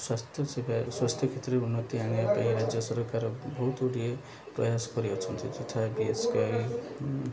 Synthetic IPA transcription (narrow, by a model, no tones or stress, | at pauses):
swast̪ʰjɔsebaswast̪ʰjɔkʰet̪ɾɔeunːɔt̪iaɽ̃iɔt̪aiɾad͡ʒjɔsɔɾɔkaɾɔbɔɦut̪oɽie | pɾɔjasɔ̥kɔɾiɔt͡ʃʰɔnt̪id͡ʒet̪ʰabieskai